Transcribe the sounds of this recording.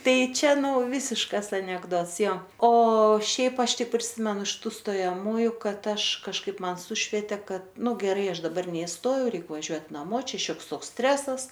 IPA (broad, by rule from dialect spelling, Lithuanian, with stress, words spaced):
ˈtɐɪ ˈt͡ʃʲɛ ˈnʊ ˈʋʲɪsʲɪʃkɐs ɐnʲɛɡˈdoːts ˈjoː oː ˈʃʲɛɪp ˈɐʃ ˈtʲɪk pʲrʲɪˈsʲɪmʲɛnʊ ɪʃ ˈtuː stoːjɛˈmuːjʊ ˈkɐt ˈɐʃ kɐʃˈkɐɪp ˈmɐn ˈsʊʃʲʋʲiɛtʲɛ ˈkɐt ˈnʊ ɡʲɛˈrɐɪ ˈɐʃ dɐˈbɐr nʲɛɪsˈtoːjɛʊ ˈrʲɛɪk ʋɐˈʒʲuɔtʲ nɐˈmoː ˈt͡ʃʲɛ ˈʃʲoːks ˈtoːks ˈsʲtʲrʲæːsɐs